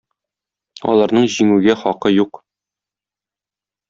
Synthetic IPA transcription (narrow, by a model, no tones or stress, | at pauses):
ɒ̰lˠɑɾnɤɴʑiŋʉɡæχɒqɤjuq